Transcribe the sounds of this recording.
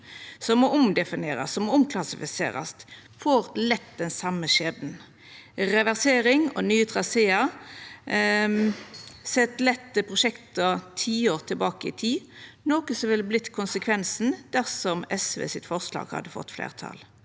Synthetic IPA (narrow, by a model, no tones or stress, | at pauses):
sɔmɔʊmd̪ɛfɪneːʁɑssɔmɔʊmkʰlɑsɪfɪsḛːʁɑ̰st̪ | foːʁlɛt̪ːd̪ɛnsɑmːəʃeːd̪n̩ | ʁɛʋæʁseːɾɪŋɔ̰nyːt̪ʰʁɑseːɑ | sɛt̪ːlɛt̪ːəpʰʁʊʃɛkt̪ɔt̪ʰiːoːʁt̪ʰɪlbɑːkəɪ̰t̪ʰiːnoːkəsɔʋɪlblɪt̪ːkʰʊnsəkʰʋɛnsn̩d̪̥æʁsɔmɛsʋḛːsɪt̪fɔʁslɑ̰ːɡhɑ̰d̪əfɔ̰t̪ːflḛːʁt̪ʰɑ̰l